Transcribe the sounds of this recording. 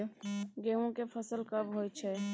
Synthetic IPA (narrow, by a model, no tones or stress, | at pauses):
ɡeõkepʰəsəlkəbɦoːjt͡ʃʰɛ